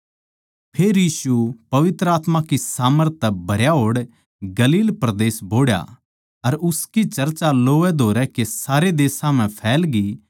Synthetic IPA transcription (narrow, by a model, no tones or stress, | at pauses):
pʰeːɾjiːsupɐʋɪt̪ɾəaːt̪mãkisaːməɾt̪ːɛbʱɐɾjaɦoːɽ | ɡɐliːlpɾɐd̪eːsboːɽja̰ | ɐɾʊskit͡ʃɐɾt͡ʃaloːɛd̪ʱoːɾɛkesaːɾed̪eːsãmɛ̃pʰɛːlɡi